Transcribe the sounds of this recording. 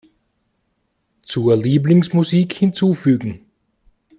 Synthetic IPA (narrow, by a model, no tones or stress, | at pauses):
t͡suːɐliːblɪŋsmuziːkhɪnt͡suːfyːɡŋ̩